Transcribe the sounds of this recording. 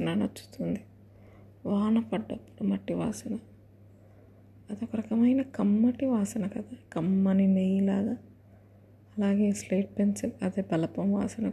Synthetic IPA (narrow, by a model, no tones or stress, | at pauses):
ɐnanɐt͡ʃːu̥t̪und̪i | ʋaːnɐpɐɖːɐpːu̥ɽumɐʈːiʋa̰ːsɐnɐ | d̪ɐkɐɾɐkɐmɐjnɐkɐmːɐʈiʋaːsɐnɐkɐd̪akɐmːɐninejilaːd̪a | ɐlaːɡe̞ːsleːʈ̚penselɐd̪eːbɐlɐpɐmʋa̰ːsɐnɐ